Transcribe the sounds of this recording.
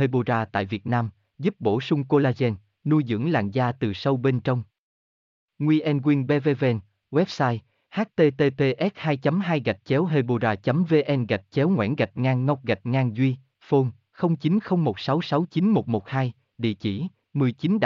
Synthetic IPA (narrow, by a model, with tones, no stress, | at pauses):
e˧ɓo˧zaː˧t̪a̰ː˧˨jvi˨˩ət̚naː˧m | zu˦˥p̚ɓo˧˩sʊ˧ŋ͡mko˧laː˧zɛ˧n | nu˧jzɨ̰˧˥əŋla̰ː˧˨ŋzaː˧t̪ɨ˨˩sə˧wɓe˧nt͡ɕə˧wŋ͡m | ŋwi˧ʔɛ˧nɣwi˧ənɓe˧ve˧vɛ˧n | ɣwɛ˦˥p̚saː˧j | haː˦˥t̚t̪e˧t̪e˧t̪e˧ʔɛ˦˥t̚haː˧jt͡ɕə˨˦mɦaː˧jɣa˨˩jk̟̚t͡ɕɛ˨˦wɦe˧ɓo˧zaː˧kt͡ɕə˨˦mve˧ʔɛ˧nɣa˨˩jk̟̚t͡ɕɛ˨˦wŋwḭ˧˥nɣa˨˩t̚ŋaː˧nŋə˦˥wk͡p̚ɣa˨˩jt̚ŋaː˧nzwi˧ | fo˧n | xə˧wŋ͡mt͡ɕi˨˦nxə˧wŋ͡mmo˨˩t̚sa˨˦wsa˨˦wt͡ɕi˨˦nmo˨˩t̚mo˨˩t̚haː˧j | ɗḭ˧˨t͡ɕḭ˧˩ | mɨ˨˩əjt͡ɕi˨˦nɗ